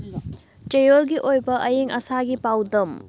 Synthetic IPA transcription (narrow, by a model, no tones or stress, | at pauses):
t͡ʃɐjolɡiʔojbɐʔɐjeŋʔɐsaɡipawdɐm